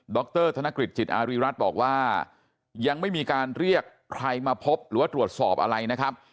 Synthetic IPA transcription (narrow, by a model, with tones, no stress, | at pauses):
dɔː˦˥k̚t̪ɤː˥˩t̪ʰa˧na˦˥kɾi˨˩t̪̚t͡ɕʰi˨˩t̪ʔaː˧ɾiː˧˥ɾa˦˥t̪̚bɔ̰ː˨˩k̚waː˥˩ | ja˧ŋma˥˩jmiː˧kaː˧nɾi˥˩əkːʰɾa˧jmaː˧pʰo˦˥p̚ɾɯː˩˦waː˥˩t̪ɾu˨˩ət̪̚sɔː˨˩p̚ʔa̰˧ɾa˧jna˦˥kʰa˦˥p̚